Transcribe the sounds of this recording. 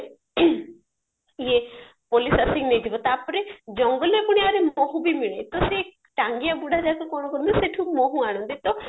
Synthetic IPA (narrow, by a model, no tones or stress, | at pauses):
ie | polisasiŋned̪ʱibɔt̪apɔɾed͡ʒɔŋɡɔlebɔɽ̃iaɾemɔɦũbimiɭ̃ejt̪ɔse | ʈaŋɡijabuɽʱad͡ʒakukɔñɔkɔnd̪iseʈʰumɔɦũaɽ̃ɔ̃nd̪it̪ɔ